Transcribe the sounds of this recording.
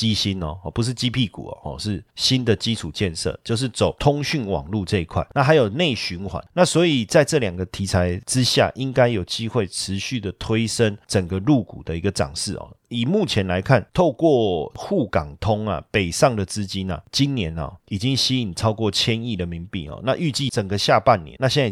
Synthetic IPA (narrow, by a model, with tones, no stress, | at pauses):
t͡ɕi˦˥ɕi˦nɔ˨hɔ˨˩pu˧˦ʂ̬ɻ̩˥˩t͡ɕi˦˥pʰi˥˩kṵ˨˩ɐ̰˨˩hɔ̰˥˧˩ʂɻ̩˥˩ɕi˦nd̪ə˨t͡ɕi˦ʈ͡ʂʰu˨˩t͡ɕjɛ˥˧nʂɤ̰˥˩˨t͡ɕjo˥˧ʊʂ̬ɻ̩˥˩t͡so˨˩ʊt̪ʰʊ˥ŋɕy˥˩nwɑ̰˨˩ŋlu˥˧ʈ͡ʂɤ˥˧˨i˧˥kʰwa̰˥˩ɪna˥˩ɦa˧˥ɪjo˨˩ʊne˥˩ɪɕy˧˦nxwa̰˧˦nna˥˨swɔ˧˥i˨˩t͡sa˥˧ɪʈ͡ʂɤ˥˨ljɑ˨˩ŋɡə˦t̪ʰi˧˥t͡sʰa˧˥ɪʈ͡ʂɻ̩˦ɕja̰˥˨ʔi˦ŋka˥ɪjo˨˩ʊt͡ɕi˦˥xwe˥˩ɪʈ͡ʂʰɻ̩˧˦ɕy˥˩d̪ə˩t̪ʰwe˥ɪʂə˦˥nʈ͡ʂə˨˩ŋɡə˦lu˥˨˩kṵ˨˩d̪ə˦i˧˥ɡə˨ʈ͡ʂɑ̰˨˩ŋʂɻ̩˥˩ɔ̰˨˩i˨˩mu˥˩t͡ɕʰjɛ˧˦nla˧˥ɪkʰa˥˨nt̪ʰo˥˧ʊkwɔ˥˨xu˥˩kɑ˨˩ŋt̪ʰʊ˥ŋɐ̰˨pe˨˩ɪsɑ˥˩ŋd̪ə˨t͡sɹ̩˥t͡ɕi˦nɐ̰˨t͡ɕi˦˥nnjɛ˧˦nɐ̰˨i˨˩t͡ɕi˦ŋɕi˥i˨˩ŋt͡sʰɑ˥ʊkwɔ˥˨t͡ɕʰjɛ˦ni˥˩d̪ə˨mi˨˥ŋpḭ˨˩ɔ̰˨na̰˥˧ʔy˥˧t͡ɕi˥˨t͡sə˨˩ŋɡə˨ɕja˥˧pa˥˨nːjɛ̰˧˦nːa˥˧ɕjɛ˥˧nt͡sːa˥˩